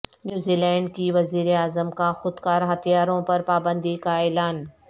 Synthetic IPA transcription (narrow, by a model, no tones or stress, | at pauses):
njuːziːlɛ̃ːɳɖ̚kiʋɐziːɾeaːzəmkaxʊd̪kaːɾɦɐt̪ijaːɾõpɐɾpaːbə̃nd̪ikaeːlaːn